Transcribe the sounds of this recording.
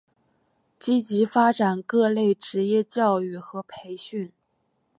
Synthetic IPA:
t͡ɕi˥t͡ɕi˧˥fa˥ʈ͡ʂa˨˩nkɤ˥˧le˥˩ɪʈ͡ʂɻ̩˧˥jɛ˥˧t͡ɕjɑ˥˧ʊy˥˩xɤ˧˥pʰe˧˥ɪɕy˥˩n

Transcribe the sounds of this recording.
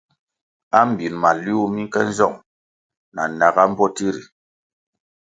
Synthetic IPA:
a˦m˨bi˨nma˨lu˦u˦mi˦kɛ˦n˦zɔ˦˨ŋ | na˨na˨ɡa˦m̩˦bɔ˦ti˦ɾi˨

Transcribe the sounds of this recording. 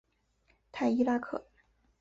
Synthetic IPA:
t̪ʰa˥˩ɪi˥la˥kʰɤ̰˥˩˦

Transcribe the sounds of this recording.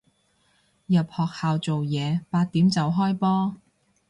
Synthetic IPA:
jɐ˨p̚hɔː˨k̚haː˨wt͡so˨wjɛː˨˧paː˧t̪̚iː˨˥mt͡sɐ˨˧wɦɔː˥jpɔː˥

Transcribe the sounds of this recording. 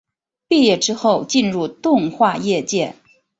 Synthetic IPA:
pi˥˧jɛ˥˩ʈ͡ʂɻ̩˥xo˥˧ʊt͡ɕi˥˧nɻu˥˧t̪ʊ˥˧ŋxwa˥˧jɛ˥˧t͡ɕjɛ˥˩

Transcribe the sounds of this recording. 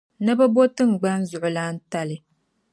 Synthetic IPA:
na˦ba˦bo˦tɨ˦ŋ̩˨ɡ͡ba˦n̩˦zʊ˨ʔʊ˨la˦n̩˦ta˦lɨ˦

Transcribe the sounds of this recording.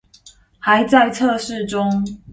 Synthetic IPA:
ha˨˦ɪt͡sa˥˧ɪt͡sʰɤ˥˧ʂɻ̩˥˨ʈ͡ʂʊ˥ŋ

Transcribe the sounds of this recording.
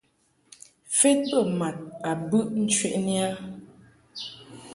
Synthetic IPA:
fɛ˦t̚pə˦˨ma˨t̚a˨bʉ˦ʔn̩˦t͡ʃɥḛ˦˨ʔni˦a˦

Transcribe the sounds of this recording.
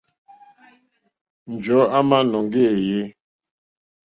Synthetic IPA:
n̩˨d͡ʒɔ˨˦a˦ma˦nɔ˨ŋ˦ɡe˦˨je˦

